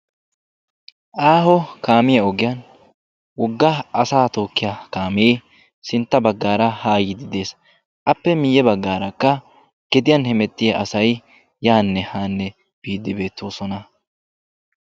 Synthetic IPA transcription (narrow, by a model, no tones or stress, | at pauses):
ʔaːɦɔkaːmɪjɐɔɡɪjɐn | wɔɡːɐɐsaːt̪o̞ːkːɪjakaːmɪeː | sɪnt̪ːɐbɐɡːaːɾɐhaːjɪd̪ɪd̪e̞ːs | ʔɐpːɛmɪjːɛbɐɡːaːɾɐkːɐ | ɡ̥ɛd̪ɪjɐnhɛmɛt̪ːɪjɐʔɐsɐj | jaːnːɛhaːnːɛ | b̥iːd̪ːɪbe̞ːt̪ːo̞ːsɔnɐ